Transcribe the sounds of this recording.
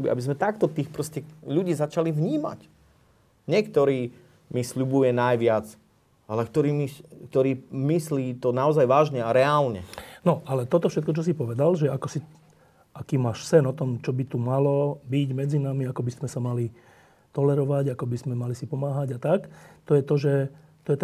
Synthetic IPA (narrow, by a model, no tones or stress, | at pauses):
bia̰bizmɛt̪akt̪ɔt̪iːxpɾɔscɛʎuɟiːzat͡ʃalivɲiːma̰c | ɲɛkt̪ɔɾiː | misʎubujɛnajʋɪat͡s | ʔalɛkt̪ɔɾiːmikt̪ɔɾiːmisliːt̪ɔnaɔzajʋaːʒɲɛaɾɛaːlɲɛ̰nɔʔalɛt̪ɔt̪ɔfʃɛt̪̚kɔt͡ʃɔs̬ipɔʋɛd̪alʒɛakɔsi | ʔakiːmaːʃsɛnɔt̪ɔmt͡ʃɔbit̪umalɔbiɟmɛd͡zinamiakɔbizmɛsamali | t̪ɔlɛɾɔʋaɟakɔbizmɛmalisipɔmaːɦaɟat̪akt̪ɔjɛt̪ɔʒɛ | t̪ɔjɛt̪ɛ